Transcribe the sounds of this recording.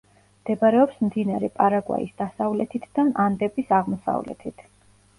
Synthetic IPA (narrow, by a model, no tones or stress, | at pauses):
md̪̥ɛbaɾɛɔpsmd̪inaɾɛpʼaɾaɡwa̰ḭsd̪̥asavlɛt̪ʰit̪ʰd̪anʔand̪ɛpʼisaʁmɔsa̰vlɛ̰t̪ʰit̪ʰ